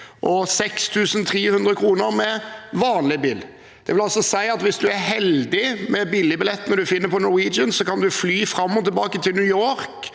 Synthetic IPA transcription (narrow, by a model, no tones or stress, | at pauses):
ʔɔsɛkst̪ʰʉːsənt̪ʰɾiːhʉnd̪ɾəkʰɾuːnəɾmɛʋɑːnlɪbḭːl | d̪̥ɛʋɪlɑlsɔsæɪɑt̪ʋɪsd̪ʉæɾhɛld̪ɪmɛbilːɪbɪlɛt̪ːnəd̪ʉfɪnːəɾpʰɔnɔɾwiːd͡ʒənsɔkɑnd̪ʉflyːfɾɑmːɔt̪ʰːɛlbɑːkət̪ʰɪlnʉjoːɾk